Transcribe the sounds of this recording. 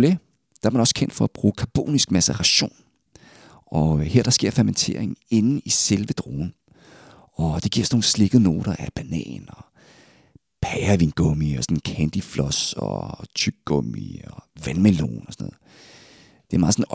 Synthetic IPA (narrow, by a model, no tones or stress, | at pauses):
le | d̥ɑ̈æɐmænɒ̽skʰen̰d̥fɒ̽æb̥ʁuːkʰɑ̈b̥o̝̰ːnisɡ̥mæsəʁɑɕo̝̰ːn | ʔɒ̽he̝ɐd̥ɑ̈sɡ̥e̝ɐ̰fæɐment͡sʰe̝ɐ̰eŋn̩e̝nn̩iselʋəd̥ʁo̝̰ːn̩ | ɒ̽d̥e̝ɡ̥iɐ̰sno̝ːn̩sle̝ɡ̥ð̩ˠno̝̰ːɾ̥ɐʔæb̥ænɛ̰ːnɒ | pʰæɐʋḭːnɡ̥ɔmiɒsɒnn̩kʰænd̥iflɒ̽sɒ̰t͡sʰyɡ̥̚ɡ̥ɔ̽mḭɒʋænmelo̝̰ːnɒsɔnɔːð̩ˠ | d̥e̝æmɑ̈ðˠsɔ̽n̩